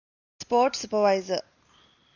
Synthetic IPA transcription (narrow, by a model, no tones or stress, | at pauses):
spoːʈsupəʋaɪzə